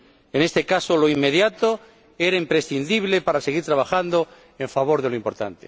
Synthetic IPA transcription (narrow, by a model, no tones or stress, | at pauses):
ene̞st̪ekasoloimːeðjat̪o | eɾaimpɾesθind̪iβlepaɾaseɣiɾt̪ɾaβ̞axand̪o | eɱfaβ̞o̞ɾðeloimpo̞ɾt̪a̰nt̪e